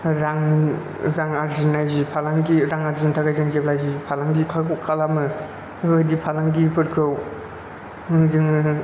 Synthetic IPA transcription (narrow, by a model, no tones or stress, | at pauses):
ɾaŋ | ɾaŋaɾzinajzipʰalaŋɡiɾaŋaɾzintʰaɡajzɯŋɡep̚lajzipʰalaŋɡikʰakʰalamɯ | badipʰalaŋɡipʰɯɾkʰɯw | ɯŋzɯŋ